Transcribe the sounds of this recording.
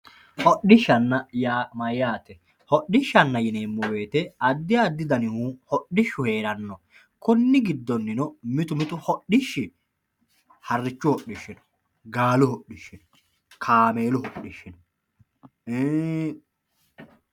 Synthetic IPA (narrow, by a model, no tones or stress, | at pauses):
hɔɗɪʃːɐnːɐjaːmɐjaːt̪ɛ | hɔɗɪʃːɐnːɐjɪneːmːɔwe̞ːt̪ɛɐd̪ːɪaːd̪ːɪd̪ɐnɪhuːhɔɗɪʃːʊhe̞ːɾɐnːɔ | kʊnːɪɡɪd̪ːɔnːɪnɔmɪt̪ʊmɪt̪ʊhɔɗɪʃːɪ | hɐrːɪt͡ʃːʊhɔɗːɪʃːɪnɔ̥ | ɡaːlʊhɔɗːɪʃːɪnɔ̥ | kʰaːme̞ːlʊɦɔɗːɪʃːɪnɔ | e